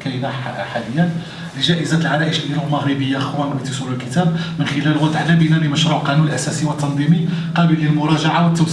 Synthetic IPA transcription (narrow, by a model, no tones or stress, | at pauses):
kæjnæħaləjːæn | ləʒæʔəzæt̪əlʕaɾæʔəʃʔiɾulməɣɾəbəjːaʔxwænbit̪isˤuləlkət̪æb̚mənxɪlæləwæd̪ʕalæbinæliməʃɾˤuʕqɑnunəlʔæsæsiwət̪ːɑnd̪ˤimiqɑbəlːilmʊɾˤɑʒaʕawət̪ːəm